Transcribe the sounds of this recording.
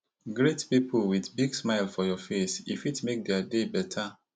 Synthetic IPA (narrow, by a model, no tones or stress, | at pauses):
ɡɾetpipʰulwiθbiɡsmaɪlfɔjɔfesifitmek̚dɛadebɛtʰa